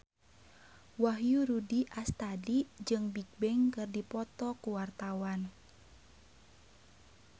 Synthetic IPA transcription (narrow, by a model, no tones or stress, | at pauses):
waɦjuɾudiʔast̪adid͡ʒɨŋbik̚bɛŋkɨrdipɔt̪ɔkuwart̪awan